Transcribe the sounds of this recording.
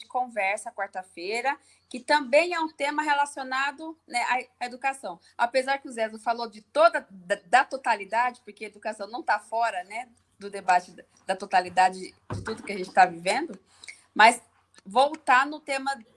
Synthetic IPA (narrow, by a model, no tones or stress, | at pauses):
d͡ʒɪkõvɛɾsɐkwaɾt̪ɐfejɾɐ | kɪt̪ɐ̃bẽj̃ɛũt̪ẽmɐɦelasionad̪ʊnɛʔaeɐed̪ukasɐ̃w̃ | apezaɾkɪʊzɛzʊfalod͡ʒɪt̪od̪ɐd̪ɐt̪ot̪alid̪ad͡ʒɪpoɾkeɐed̪ukasɐ̃w̃nɐ̃w̃t̪afɔɾɐnɛ | d̪ʊd̪ebat͡ʃɪ | d̪ɐt̪ot̪alid̪ad͡ʒɪ | d͡ʒɪt̪ud̪ʊkɪaʒẽnt͡ʃɪ̥t̪avivẽnd̪ʊ | mɐs | vowt̪anʊt̪ẽmɐ